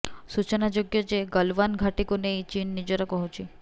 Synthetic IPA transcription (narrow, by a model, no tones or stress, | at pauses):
sut͡ʃənad͡ʒoɡjɔd͡ʒeɡəlʋanɡʱaʈikonejt͡ʃinːid͡ʒɔɾɔkɔɦut͡ʃʰi